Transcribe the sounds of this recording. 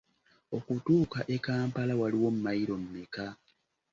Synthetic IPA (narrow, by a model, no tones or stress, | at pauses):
o̞kutuːkaʔe̞kaːmpalawaliwo̞m̩umajiɾo̞m̩mika